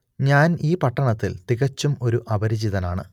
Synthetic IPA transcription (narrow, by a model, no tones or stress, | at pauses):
ɲaːniːpɐʈːɐɳɐt̪ːḭlt̪iɣɐt͡ɕːumo̞ɾuʔɐbɐɾid͡ʑiðɐnaːɳɨ̰